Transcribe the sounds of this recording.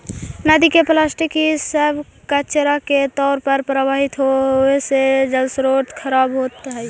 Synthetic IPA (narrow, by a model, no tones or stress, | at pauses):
nad̪ikeplasʈikisəbkət͡ʃɾaket̪ɔːɾpəɾpɾəʋaɦit̪ɦoesed͡ʒəlsɾoʈkʰəɾabɦot̪ɦɛj